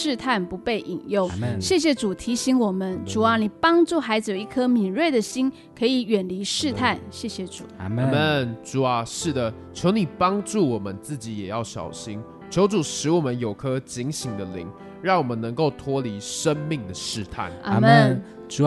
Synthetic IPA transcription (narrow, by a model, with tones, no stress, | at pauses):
ʂɻ̩˥˧t̪ʰa˥˩npu˧˦˥pe˥˩ɪʔi˨˩ŋjʊ˥˩ŋɕjɛ˥˩ɕ̬jɛ˨˧ʈ͡ʂu˨˩t̪ʰi˧˥ɕi˧˥ŋwɔ˨˩mə˦nʈ͡ʂu˨˩a˨˦ni˨˩pɑ˥ŋʈ͡ʂu˥˩xa˧˥ɪd͡zɨ˧jo˨ʊi˥˩kʰɤ˥mi˨˩nwe˥˩ɪd̪ə˨ɕi˥n | kʰɤ˧˥i˨˩ɥɛ˨˩nli˧˥ʂɻ̩˥˧t̪ʰa˥˩nɕjɛ˥˩ɕjɛ˧˦ʈ͡ʂṵ˨˩˦mə˥˨nʈ͡ʂu˨˩a˨˦ʂɻ̩˥˩d̪ə˩ | t͡ɕʰjo˧˥ʊni˨˩pɑ˥ŋʈ͡ʂu˥˩wɔ˨˩mə˦nt͡sɹ̩˥˩t͡ɕi˨˦jɛ˨˩jɑ˥˩ʊɕjɑ̰˨˩ʊɕi˥n | t͡ɕʰjo˧˥ʊʈ͡ʂu˨˩ʂɻ̩˧˥wɔ˨˩mə˦njo˨˩ʊkʰɤ˦˥t͡ɕi˧˥ŋɕi˧˥ŋd̪ə˨lḭ˧˥˦ŋ | ɻɑ˥˩ŋwɔ˨˩mə˦nːə˧˦ŋko˥˩ʊt̪ʰwɔ˥li˧˥ʂə˦˥nmi˥˩ŋd̪ə˩ʂɻ̩˥˧t̪ʰa̰˥˩na̰˥˧mə˥˨n˨